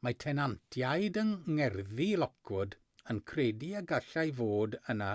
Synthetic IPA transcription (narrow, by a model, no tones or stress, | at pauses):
matʰɛnantʰjaɨdənŋɛrðilˠɔkʰʊd | ənkʰrediəɡaɬajvoːdəna